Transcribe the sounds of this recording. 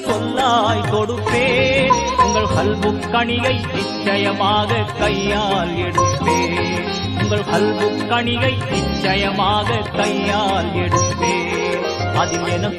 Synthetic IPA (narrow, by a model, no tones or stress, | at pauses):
sɔlːaːjk̪ɔɽɯpːeːʊŋɡɐɭkɐlbɯkːɐɳɪjɐɪnɪt͡ʃːɐjɐmaːɣɐkɐjːaːɛɽɯp̪ːeː | ʊŋɡɐɭkɐlbɯkːɐɳɪɣɐɪnɪt͡ʃːɐjɐmaːɣɐkɐjːaːlɛɽɯp̪ːeː | ɐðɪlɛnɐ